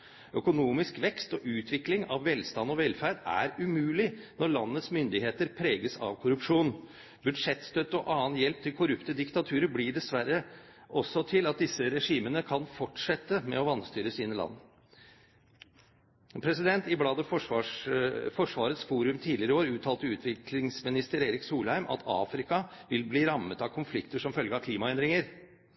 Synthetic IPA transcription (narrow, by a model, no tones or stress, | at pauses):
œkʊnuːmɪskʋɛkst̪ɔʔʉːt̪ʰʋɪklɪŋɑʋːɛlst̪ɑnːɔʋɛlfæːɖæ̰ɾʉmʉːlɪnɔɭɑnːət̪smʏnd̪ɪɦeːt̪əɾpʰɾeːɡəsɑ̰ʋkʰʊɾʉpʂuːn | bʉd̪ʂɛt̪st̪œt̪ːɔʔɑːənjɛlp̚t̪ʰɪlkʰʊɾʉpt̪əd̪ɪkt̪ɑt̪ʰʉːɾəblɪɖɛsʋæɾːə | ʔɔsːɔt̪ʰɪlɑt̪̚d̪ɪsːəɾɛʂiːmənəkʰɑnfɔʈʂɛt̪ːəmɛ̰ɔʋɑnst̪yːɾəsiːnəlɑ̰nː | pʰɾɛsɪd̪ɛnt̪ɪblɑːd̪əfɔ | fɔʂʋɑːɾət̪sfuːɾʉmt̪ʰiːd̪lɪəɾəoːɾəʉːt̪ʰɑːlt̪əʉːt̪ʰʋɪkʰlɪŋsmɪnɪst̪əɾeːɾɪksuːlhæɪmʔɑ̰t̪ʰɑ̰ːfɾɪkɑʋɪlbliːɾɑmːət̪ɑkʰʊnflɪkt̪əʂɔmfœlɡəɑkʰliːmɑɛnd̪ɾɪŋəɾ